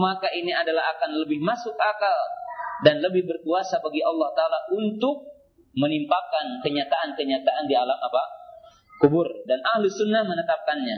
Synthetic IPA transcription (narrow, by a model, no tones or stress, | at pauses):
makaʔiniadalaɦakanləbɪhmasʊkakaldanləbɪhbərkuasabaɡiʔɑlːɑht̪aːlaʔunt̪ʊk̚ | mənimpakankəɲat̪aʔankəɲat̪aʔandialamapa | kubʊrdanʔahlɪsunːahmənət̪ap̚kanɲa